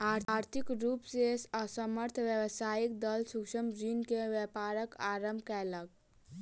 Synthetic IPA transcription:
aːɾaːɾt̪ʰikɾuːpsesəsəməɾt̪ʰʋjəwsaːik̚d̪əlsʊkʃəmd͡ʒiːnkeʋjɛpaːɾəkaːɾəmbʱkɛlək̚

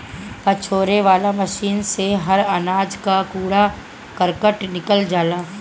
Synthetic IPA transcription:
pɐt͡ʃʰoːɾeʋaːlamɐʃiːnseɦɐɾɐnaːd͡ʒkakuːɽa | kəɾkəʈnɪkəld͡ʒaːlãː

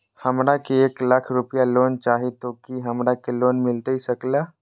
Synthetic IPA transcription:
həmɾakeeːkləkʰɾupijalont͡ʃaːɦit̪okiɦəmɾakeloːnmɪlt̪əisəkla

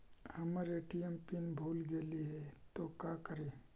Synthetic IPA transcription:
hɐmaɾeʈijempinbʱuːlɡeːliɦɛt̪okaːkəɾeː

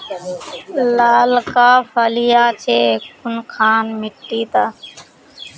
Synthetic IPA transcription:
laːlkaːfalijaːt͡ʃʰeːkʰʊnkʰaːnmɪʈːiːt̪aː

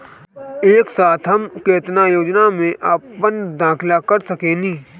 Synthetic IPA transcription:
eːksaːt̪ʰɦɐmkeːt̪najoːd͡ʒnamẽʔaːpənd̪ãːkʰlakɐɾsɐkẽːnĩː

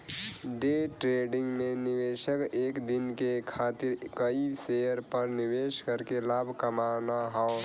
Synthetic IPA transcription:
ɖeʈɾeɖiŋɡmeniweʃəkekd̪inkekʰat̪iɾkəisejəɾpəɾniweskəɾkelabʱkəmanaɦɔʊ

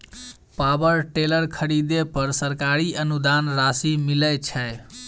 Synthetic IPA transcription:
pabəɾʈeləɾkʰəɾid̪epəɾsəɾkaɾiənud̪anɾasimilət͡ʃʰəj

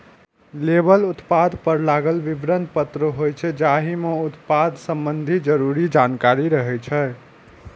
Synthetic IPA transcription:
lebəlut̪pad̪ʱpəɾlaɡəlʋibɾənd̪pət̪ɾəɦojt͡ʃʰɛd͡ʒaɦimeut̪pad̪ʱsəmbənd̪ʱid͡ʒəɾuɾid͡ʒankaɾiɾəɦɛt͡ʃʰɛ

